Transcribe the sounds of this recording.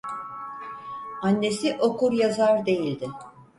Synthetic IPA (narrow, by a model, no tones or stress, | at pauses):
anːe̞siʔo̞kuɾjazaɾd̪e̞jilʲd̪ɪ